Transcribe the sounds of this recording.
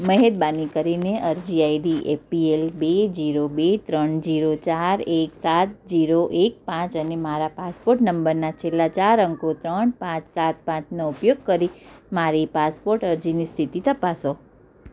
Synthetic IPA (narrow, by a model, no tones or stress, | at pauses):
məɦed̪̚banikəɾineʔəɾd͡ʒiaiɖiʔepielbed͡ʒiɾobet̪ɾəɳd͡ʒiɾot͡ʃaɾeksat̪̚d͡ʒiɾoʔek̚pãt͡ʃənemaɾapaspoɾʈnəmbəɾnat͡ʃʰelːat͡ʃaɾəŋkot̪ɾəɳpãt͡ʃsat̪̚pãt͡ʃnoupjoɡ̚kəɾimaɾipaspoɾʈəɾd͡ʒinist̪ʰit̪it̪əpaso